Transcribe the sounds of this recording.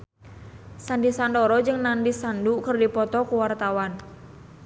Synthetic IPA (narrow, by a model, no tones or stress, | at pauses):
sandisandɔɾɔd͡ʒɨŋnandisandukərdipɔt̪ɔkuwart̪awan